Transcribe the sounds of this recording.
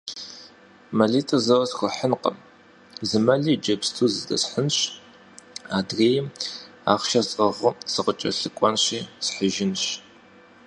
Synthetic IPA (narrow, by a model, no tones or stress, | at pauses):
mɐɮiːtʰʼɐzɐwɐsxʷʊħənqə̰m | zɨmɐɮiːd͡ʒɐbstʰuːzɨdɐ̰sħənɕ | aːdreːjɪm | a̰ːχʃɐsʼɐʁʊsɨqət͡ʃʼɐ̰ɬɨkʷʼɔnɕiːsħəʒɪnɕ